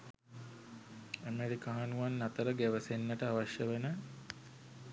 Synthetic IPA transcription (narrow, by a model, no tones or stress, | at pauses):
əmeɾikaɦanuʋanːat̪əɾəɡæʋəsenːəʈəaʋaʃjəʋenə